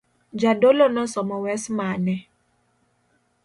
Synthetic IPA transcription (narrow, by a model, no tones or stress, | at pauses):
d͡ʒadolonɔsɔmɔwɛsmanɛ